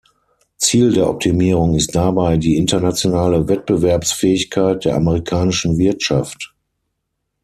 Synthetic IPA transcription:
t͡siːldeːɐʔɔ̰p̚tʰimiːʁ̞ʊŋɪst̚d̥abaɪdiːʔɪntɐnat͡sjonaːləvɛt̚b̥əvɛɐpsfɛːɪçkʰaɪt̚d̥eːɐʔaməʁikʰaːnɪʃn̩vɪɐtʃaft

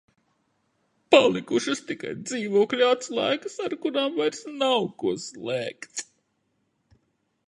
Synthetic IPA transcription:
palˠikuʃɨst̪ika̰jd̪ziːvuɔklʲuat̪slˠa̰jkɨsaɾkuɾaːmvajɾsnawkuɔslˠɛːkt̪s

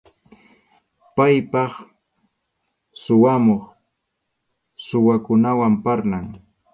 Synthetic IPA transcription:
pajpɑχ | sʊwamoχ | sʊwakʊnawampaɾnaŋ

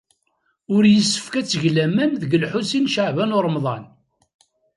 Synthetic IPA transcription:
ʊɾjəsːə̥fkæt͡sːəʝlæmænðəɡəlħusinʃaʕvænʊɾˤəmðˤɑn

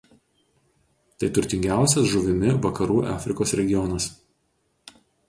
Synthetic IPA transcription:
t̪ɐɪt̪ʊɾʲt̪ʲɪŋʲɡʲæˑʊsʲɛsʒʊʋʲɪmʲɪʋɐkɐɾuːʔæːfʲɾʲɪkoːsɾʲɛɡʲɪjɔnɐs

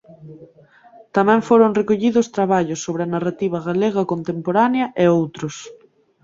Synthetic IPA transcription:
t̪amɛ̃ɱfoɾoŋrekoʎiðʊst̪ɾaβaʎosːoβɾɪɐnarat̪iβ̞ɐɣaleɣ̞ɐkont̪empoɾaneɐʔeowt̪ɾʊs

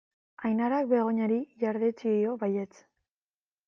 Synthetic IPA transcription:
ajnaɾak̚be̞ɣ̞o̞ɲaɾiʝaɾðet͡sijo̞βajet͡s

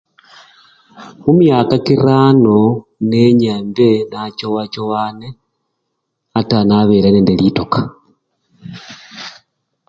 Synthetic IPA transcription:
mumjakakiɾaːnoneɲambenat͡ʃowat͡ʃowane | atanaβeɾaneːndelitokḁ

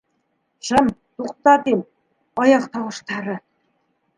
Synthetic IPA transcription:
ʃɘ̆mt̪uqt̪ɑt̪im | ɑjɑqt̪ɑwɤ̆ʃt̪ɑɾɤ̆

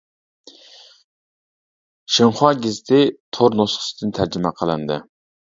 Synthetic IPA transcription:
ʃəŋχɑɡʲezɪt̪ʰɪt̪ʰoɾnosχə̥sɨd̪ɨnt̪ʰæɾd͡ʒɪmɛqʰəlˠɨnd̪ɨ̰

